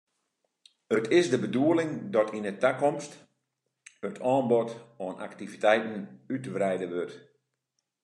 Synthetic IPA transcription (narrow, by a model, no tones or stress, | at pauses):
ətʰɪsdəbəduəlɪŋdɔtʰinətakɔmst | ətʰɔːnbotɔnʔa̰ktivitɛjtn̩ytəʋrɛjdəʋøt